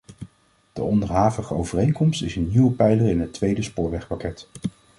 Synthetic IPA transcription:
d̥ə̰ɔndəɹɦaːvəχəowvərejnkɔmstɪzənːiwəpɛjlərɪnɦətʋejdəspʊːɹʋɛχpakɛt

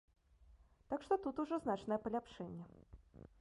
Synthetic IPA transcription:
t̪akʂt̪ɔt̪ut̪uʐɔznat͡ʂnɐjɛpɐlʲapʂɛnʲːɛ

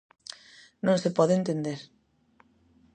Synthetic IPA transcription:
nõnsepɔðent̪end̪eɾ

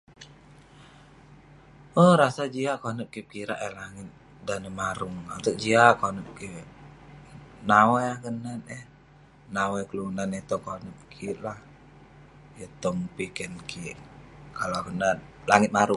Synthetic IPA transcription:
ʔɔhɾasad͡ʒiaʔkonəp̚kip̚kiɾaʔɛlaŋɪt̪̚ | danəmaɾuŋant̪uk̚d͡ʒiaʔkonəp̚ki | nawɛahkənanɛh | nawɛkəlunanet̪ɔkonəp̚kʰiʔlah | jət̪ɔŋpikɛnkʰiʔkalakənanlaŋɪt̪̚maɾuŋ

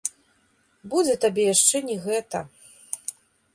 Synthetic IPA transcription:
bud͡zʲɛt̪abʲɛjaʂt͡ʂɛnʲɛɣɛt̪ɐ

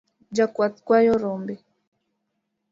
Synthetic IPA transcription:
d͡ʒakwat̪kwajoɾombe

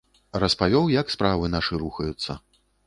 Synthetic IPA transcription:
rɐspavʲɔwjɐkspɾavɨnaʂɨɾuxɐjut̪sːɐ̰

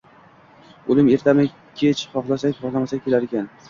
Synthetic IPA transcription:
olɪme̞ɾt̪ʰamɪ | kʲʰet͡ʃχɒχlˠasakʲχɒʁlˠamasakʲʰe̞laɾekʲan

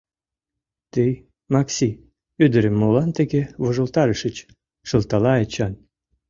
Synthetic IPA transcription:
t̪ej | mɑksʲi | yd̪ə̆ɾə̆mːolɑnt̪eɣevoʒə̆lt̪ɑɾəʃə̆t͡ɕ | ʃə̆lt̪ɑlɑet͡ɕɑn

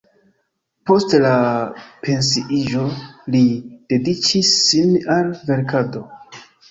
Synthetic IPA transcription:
po̞stlapʰe̞nsiʔiʒo̞lid̥e̞dit͡ʃisːinalve̞ɾkado̞

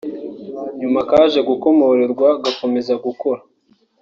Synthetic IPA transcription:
ɲumakaːʒe̞ɡuko̞mo̞ɾeɾɡwaɡako̞me̞zaɡuko̞ɾa

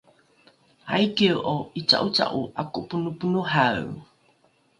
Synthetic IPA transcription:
ajkiwʔoit͡sa̰ʔut͡sa̰ʔuʔakupunupunuhaw

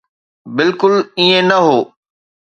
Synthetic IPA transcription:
bɪlkʊliẽnɐɦoː

